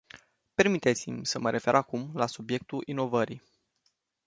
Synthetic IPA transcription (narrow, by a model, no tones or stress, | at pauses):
pe̞rmit̪et̪simʲsəməɾʔe̞fe̞ɾʔakumlasubje̞k̚t̪ulʔino̞vəɾi